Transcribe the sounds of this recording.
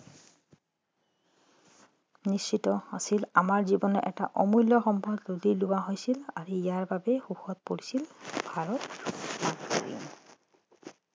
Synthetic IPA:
nist͡ʃitɔasilamaɹzibɔnɔʔɛ̰ta̰ʔɔmujlːɔxɔmpɔdlolilʊwaɦojsilaɹuijaɹbabɛxuxɔt̚poɹisilbʱaɹɔtmanko̰ɹḭn

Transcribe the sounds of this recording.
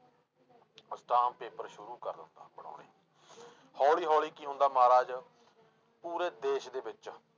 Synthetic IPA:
sʈaːmpeːpəɾʃʊɾuːkəɾd̪ɪnd̪a̰ːbəɽ̃ã̰ːɳḛː | hɔːliːɦɔːliːkiːʊ̃nd̪aːmaːɾaːd͡ʒ | puːɾeːd̪eːʃd̪eːbɪt͡ʃ

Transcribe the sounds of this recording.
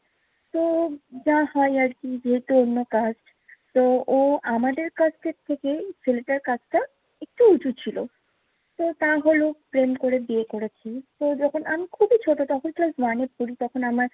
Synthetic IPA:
t̪od͡ʑãɦɔjaɾkid͡ʑeɦet̪uonːokasʈ | t̪ooamad̪eɾkasʈet̪ʰːekefeleʈaɾkat͡ɕʰʈa | ek̚ʈuut͡ɕut͡ɕʰilo̰ | t̪ot̪aɦolopɾemkoɾebiekoɾet͡ɕʰit̪od͡ʑɔkʰonamikʰubit͡ɕʰoʈot̪ɔkʰonklasbanepuɾit̪ɔkʰonamaɾ

